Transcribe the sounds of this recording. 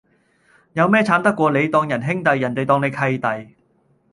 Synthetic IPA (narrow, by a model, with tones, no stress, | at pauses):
jɐ˨˧wmɛː˥t͡sʰaː˨˥nt̪ɐ˥kːʷɔː˧le˨˧jt̪ɔː˧ŋjɐ˨˩nɦɪ˥ŋt̪ɐ˨jːɐ˨˩nt̪e˨jt̪ɔː˧ŋne˨˧jkʰɐ˧jt̪ɐ˨j